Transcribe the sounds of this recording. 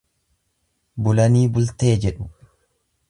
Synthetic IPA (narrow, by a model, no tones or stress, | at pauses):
bʊlɐniːbʊlt̪e̞ːd͡ʒɛᶑʊ̥